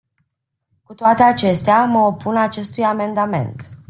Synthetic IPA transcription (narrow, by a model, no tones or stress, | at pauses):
kut̪oat̪e̞at͡ʃe̞st̪eaməo̞punat͡ʃe̞st̪ujame̞nd̪ame̞̰nt̪